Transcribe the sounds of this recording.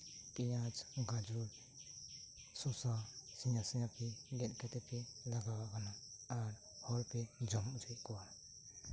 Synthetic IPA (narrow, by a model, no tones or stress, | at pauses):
pijad͡ʒɡad͡ʒuɾ | sɔsasijasijapʰiɡɛt̪̚ˀkɛt̪ɛpʰɛlaɡabakanaːɾ | hɔɾpɛd͡ʒɔmd͡ʒajkɔwa